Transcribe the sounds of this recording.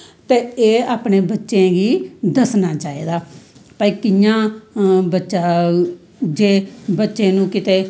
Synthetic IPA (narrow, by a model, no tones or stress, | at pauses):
t̪eːeːaːpneːbətːʃẽːɡiːd̪əsnaːt͡ʃaːḛːd̪aːpːiːkɪjãːbətːʃaː | d͡ʒeːbətːʃẽːnũːkɪt̪eː